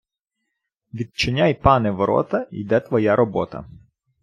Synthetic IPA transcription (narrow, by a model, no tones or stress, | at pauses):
ʋʲid̪̚t͡ʃɪnʲajpɑnɛʋɔɾɔ̰t̪ɐid̪ɛt̪ʋɔjaɾɔbɔt̪ɐ̰